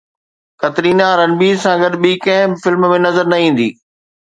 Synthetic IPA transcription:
xɐt̪ɾiːnaːɾənɪ̆biːzsãːɡɐd̪ɓikɐ̃ɦɪ̃fɪlmmẽnɐzəɾnɐĩːn̆d̪ḭː

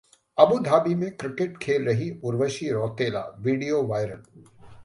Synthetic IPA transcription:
ɐbud̪ʱaːbimẽkɾɪkeʈ̚kʰeːlɾɐɦiʊɾʋəʃiɾɔːt̪eːla̰ːʋiːɖijoʋaːɪɾə̰l

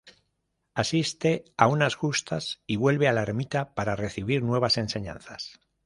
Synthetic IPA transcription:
asist̪e̞aunazɣust̪asiβwe̞lβe̞alaeɾmit̪apaɾare̞θiβ̞iɾnwe̞β̞ase̞nse̞ɲã̰nθas

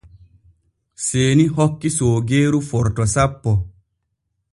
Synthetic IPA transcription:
seːniɦɔkːisoːɡeːɾufɔɾtɔsapːɔ

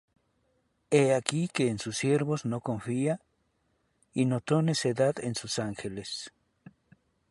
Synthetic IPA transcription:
eakikeːnsusːjeɾβosnokoɱfia | inot̪oneseðaðensusaŋxeles

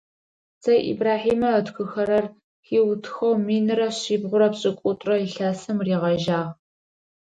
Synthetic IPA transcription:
zɐjʔḭbraːħiːmɐɐtxʷɨxɐɾɐr | xiːwtʰxɐwmiːnɨɾɐɕiːbʁʷʊɾɐpɕʼɪkʷʼʊtʼrɐɬaːsɨmriːʁɐʒaːʁ

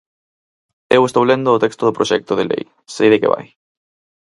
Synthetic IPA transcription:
ewest̪owlend̪oːt̪ɛkst̪oðʊpɾoʃɛk̚t̪oðelḛj | sejðekḛβa̰j

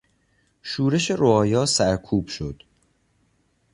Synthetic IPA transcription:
ʃuːɾe̞ʃe̞ɾoɒːjɒːsæɾkʰuːb̥ʃo̞d̪̥

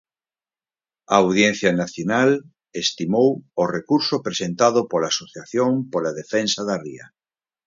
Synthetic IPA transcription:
aawð̞jẽn̟θjanaθjonal | est̪imoworekuɾsopɾesẽnt̪að̞opolaːsoθjaθjõmpolaðefẽnsaðaria̰

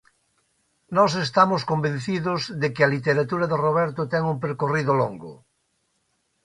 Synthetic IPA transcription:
nɔsest̪amoskombẽn̟θiðozðekɪalit̪eɾat̪uɾaðeroβɛɾt̪ot̪ɛŋumpeɾkoriðoloŋɡʊ̰

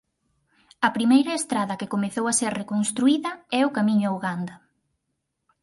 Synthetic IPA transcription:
ɐpɾimejɾɐest̪ɾaðɐkɪkomeθowaseɾrekonst̪ɾuiðɐɛʊkamĩɲʊauɣand̪ɐ

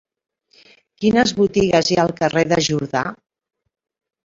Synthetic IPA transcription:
kinəzβut̪iɣəzjaəlˠkəreðəʒuɾða̰

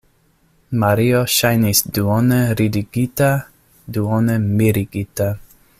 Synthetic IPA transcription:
maɾioʃajnisd̪uoneɾid̪iɡ̥it̪a | d̪uɔnemiɾiɡit̪a

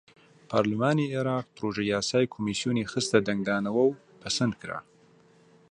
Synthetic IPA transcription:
pʰɑ̰ɾlɪmɑːnieɾɑːq̚pɾoʒajɑːsɑːjkʰomisjunexəst̪ad̪aŋɡɑːnawəw | pʰasand̪kɾa̰

